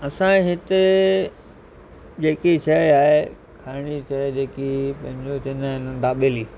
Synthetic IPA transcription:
ɐsãɦɪt̪e | d͡ʑeːkit͡ɕʰɐaːɦe | kʰaːɪɽ̃it͡ɕʰɐd͡ʑeːkipɐ̃ɦɪ̃ɲd͡ʑot͡ɕɪ̃nəɦɪnd̪aːɓeːliː

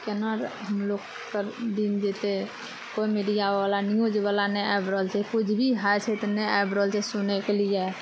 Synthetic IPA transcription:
kenəɾɦəmlokːəɾd̪ind͡ʒet̪e | koimeɖijabalanijod͡ʒebalanɛaebɾəlt͡ʃʰɛkut͡ʃʰbʱiɦat͡ʃʰɛt̪nɛajbɾəlt͡ʃʰɛsunekelijɛ

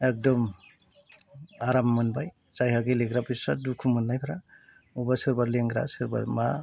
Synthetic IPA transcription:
ek̚dɔm | aɾamːɯnbaj | zajɦaɡileɡɾabisadukʰumɯnːajpʰaɾa | ubasɯɾbaɾleŋɡɾa̰sɯɾba̰ɾma

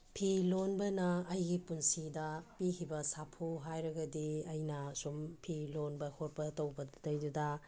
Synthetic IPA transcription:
pʰilonbɐnɐːjɡipunsidɐpikibɐsapʰuɦajɾɐɡɐdiɐjnɐsumpʰilonbɐhoɾpɐtɐwbɐdɐjdudɐ

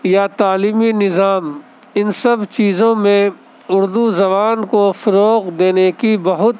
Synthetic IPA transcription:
jat̪aːliːminɪzaːm | ɪnsɐbt͡ʃiːzõmẽ | ʊɾd̪uzɐβaːnkofɐɾoːqd̪eːnekibɐɦʊt̪

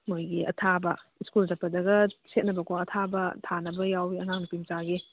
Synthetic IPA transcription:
mojɡiʔɐ̰tʰabɐiskulzɐpːɐdɐɡɐset̚nɐbɐkʰoɐtʰabɐtʰanɐbɐjawiɐŋak̚nupimt͡ʃaɡi

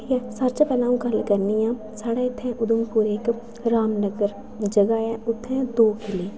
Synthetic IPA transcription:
jɛsəɾt͡ʃpɛnaːũkəlkəɾnijãː | saːɽaːɪt̪ʰːɛ̃ʔʊd̪ʊmpuːɾeːk | ɾaːmnəɡəɾ | d͡ʒəɡaːɛʊt̪ʰːɛ̃d̪oːkɪleː

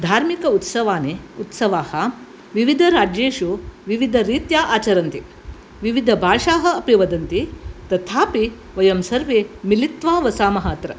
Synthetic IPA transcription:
d̪ʱaːɾmikɐut̪sɐʋaːneut̪sɐʋaːhɐ | ʋiʋid̪ʱɐɾaːd͡ʒeːʃuʋiʋid̪ʱɐɾiːt̪jaːʔaːt͡ʃɐɾɐnt̪i | ʋiʋid̪ʱɐbʱaːʂaːɦɐ̆ɐpjɐʋɐd̪ɐnt̪it̪ɐt̪ʰaːpi | ʋɐjɐmsɐɾʋeːmilit̪ʋaːʋɐsaːmɐɦɐːt̪ɾɐ

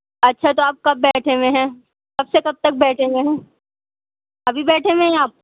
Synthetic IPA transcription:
ɐtːʃʰat̪oaːp̚kɐbːɛːʈʰemẽɦɛ̃ː | kɐbsekɐb̚t̪ɐk̚bɛːʈʰẽŋẽɦɛ̃ː | ɐbʱibɛːʈʰemẽɦɛ̃aːp̚

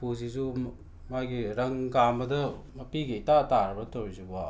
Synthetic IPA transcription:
puzizu | majɡiɾɐŋɡambɐdɐmɐpiɡiitataɾɐbɐtowɾiziba

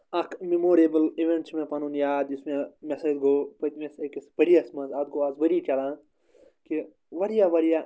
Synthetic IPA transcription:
ɐkʰmemoːɾiebəliʋẽɳʈt͡ʃmẽpɐnunjaːd̪ismẽmesed̪ɡopɐt̪mesekisbɐɾijɐsmɐ̃nzaːd̪̚ɡoaːzbɐɾit͡ʃɐlã | ki | ʋɐɾjaʋɐɾija

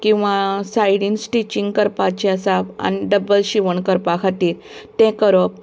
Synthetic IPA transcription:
kĩw̃ʋasajɽinsʈit͡ɕiŋɡkəɾpat͡ɕiasaʋa̰niɖəbəlɕiʋəɳkəɾpãkʰat̪iːɾ | t̪ɛ̃kəɾɔp

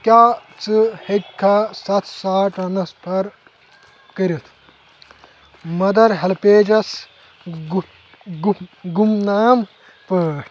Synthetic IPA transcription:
kʲaːt͡sɨhek̚ʲkʰːaːsɐt̪saːʈɐnɐspʰɐɾ | kɐɾʲit̪ʰ | mɐd̪ɐɾɦɐlpeːd͡ʒɐs | ɡɡumnaːm | pɐːʈ

